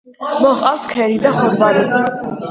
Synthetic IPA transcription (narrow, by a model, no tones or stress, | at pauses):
mɔχʼawt̪ʰkʰɛɾid̪aχumbaɾi